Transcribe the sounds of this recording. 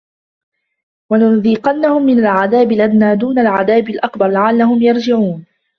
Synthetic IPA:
wanʊnðiːqɑnːahʊmːɪnalʕaðaːbɪlʔanːaːd̪uːnalʕaðaːbɪlʔakbɑɾˤlaʕalːahʊmjɑɾˤd͡ʒɪʕuːn

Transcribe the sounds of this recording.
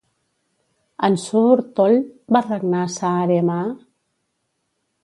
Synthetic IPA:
ənsuβuɾt̪olbarəɡnasaːɾema

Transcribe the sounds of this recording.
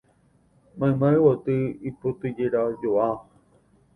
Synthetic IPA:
mãẽmãewot̪ɨipot̪ɨd͡ʒeɾad͡ʒoa

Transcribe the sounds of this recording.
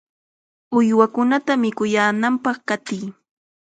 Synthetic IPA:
ʊjwakʊnat̪amɪkʊjaːnampɑχkat̪ɪj

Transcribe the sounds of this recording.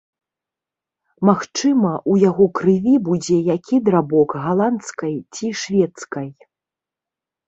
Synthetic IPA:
maxt͡ʂɨmɐʔujaɣɔkɾɨvʲibud͡zʲɛjakʲid̪ɾabɔkɣalˠant̪skɐjt͡sʲiʂvʲɛt̪skɐj

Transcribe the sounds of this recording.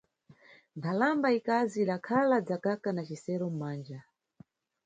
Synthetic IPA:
npʰalambaikaziːɗakʰalad͡zakakanat͡ʃisɛɾɔm̩maːnd͡ʒa

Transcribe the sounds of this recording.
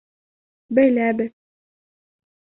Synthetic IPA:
bæjlæbɘð

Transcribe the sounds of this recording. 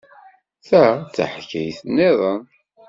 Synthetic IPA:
θæt͡sːə̰ħkːə̰jθənːɪðˤən

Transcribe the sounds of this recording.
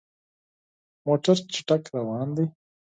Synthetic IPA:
moːʈəɾt͡ʃi̥ʈakɾawaːnd̪i

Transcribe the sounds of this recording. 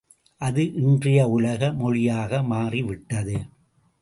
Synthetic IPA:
ʔɐðɯʔɪndrɪjɐʊlɐɣɐmɔɻɪjaːɣɐmaːriʋɪʈːɐðɯ

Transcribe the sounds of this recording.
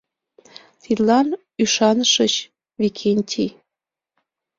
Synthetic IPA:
t̪it̪lɑn | yʃɑnəʃət͡ɕ | βikʰenʲtʲʰi

